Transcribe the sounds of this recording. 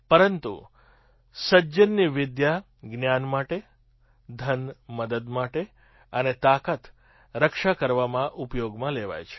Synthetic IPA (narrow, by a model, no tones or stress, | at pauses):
pəɾənt̪ṵ | səd͡ʒənːiʋɪd̪ja | ɡnjanmaʈe | d̪ʱənməd̪əd̪maʈe | ənet̪akət̪ | ɾəkʃakəɾʋamãʔupjoɡmãleʋa̰jt͡ʃʰe̥